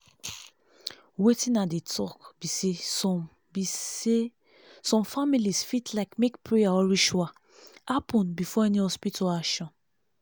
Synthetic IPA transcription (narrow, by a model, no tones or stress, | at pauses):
wetĩnadetʰɔkbisesɔ | bie | sɔ̃mfamilisfitlaɪkmekpɹejaɔɹiʃua | hapɔ̃nbifɔɛnihɔspitʰɔlakʃɔ̃n